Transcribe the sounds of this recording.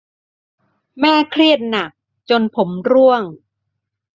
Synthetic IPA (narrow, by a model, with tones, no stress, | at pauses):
mɛː˥˩kʰɾi˥˩ət̪̚na˨˩k̚ | t͡ɕo˧npʰo˩˦mɾu˥˩əŋ